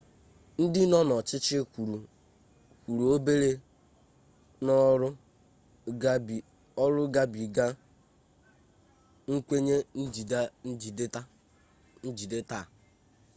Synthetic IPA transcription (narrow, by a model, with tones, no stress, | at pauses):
n̩˦dɪ˦nɔ˦nɔ˨t͡ʃɪ˦t͡ʃɪ˦˨u˨ | kʷu˨ɾu˨o˦be˦ɾe˦ | nɔ˦ɾʊ˦ | a˦bi˨ | ɔ˦ɾʊ˦ɡa˦bi˨ɡa˦ | ŋ̩˦kʷe˦ɲe˦n̩˦d͡ʒi˨dd͡ʒi˨da˦ | n̩˦d͡ʒi˨de˦ta˦˨